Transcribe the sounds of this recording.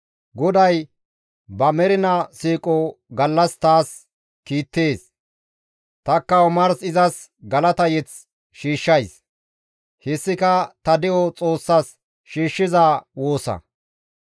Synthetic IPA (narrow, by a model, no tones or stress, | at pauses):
ɡɔd̪ɐj | bɐmɛɾɪnɐsiːkʼɔɡɐlːɐst̪aːs | kiːt̪ːe̞ːs | t̪ɐkːɐɔmɐɾsɪzɐs | ɡɐlɐt̪ɐjɛt͡s | ʃiːʃːɐjs | hɪsːɪkɐt̪ɐd̪ɪʔɔt͡sʼo̞ːsːɐs | ʃiːʃːɪzaːwoːsɐ̰